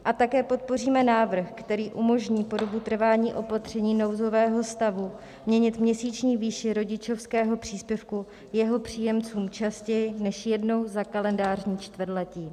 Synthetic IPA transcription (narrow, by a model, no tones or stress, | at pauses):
ʔat̪akɛːpo̞t̪̚po̞riːmɛnaːvr̩xkt̪ɛɾiːʔumo̞ʒɲiːpo̞do̞but̪r̩vaːɲiːʔo̞pat̪r̝̥ɛɲiːno̞wzo̞vɛːɦo̞st̪avu | mɲɛɲɪt̪mɲɛsiːt͡ʃɲiːviːʃɪɾo̞ɟɪt͡ʃo̞fskɛːɦo̞pr̝̥iːspjɛfku | jɛɦo̞pr̝̥iːjɛmt͡suːmt͡ʃascɛjɪnɛʃjɛdno̞wzakalɛndaːrɲiːt͡ʃt̪vr̩dlɛciː